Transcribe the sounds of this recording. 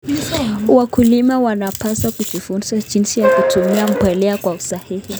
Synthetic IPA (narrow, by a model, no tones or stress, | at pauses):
wakulimawanapasakuvifunsad͡ʒinsijakutʰumiam̩pwɛlɛakwausahihi